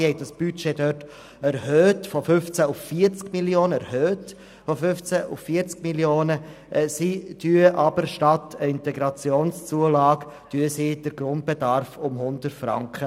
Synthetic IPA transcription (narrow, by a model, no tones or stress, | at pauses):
hɛɪdɑsb̥yt͡ʃedœt | ɛɾhøːtfɔfʏft͡sæʊffiːəɾt͡skmiljoːnəɛɾhøːt | fɔfʏft͡sæʔʊ̰ffiəɾt͡sk̚miljoːnə | sid̥yəʔɑbəɾʃtɑtʰəɪntɛɡɾɑt͡sjoːnst͡suəlɑːɡ | tyəsid̥əɾɡ̥ɾʊnt̚b̥edɑɾfʊmhʊndəɾtfɾɑ̰ŋkχə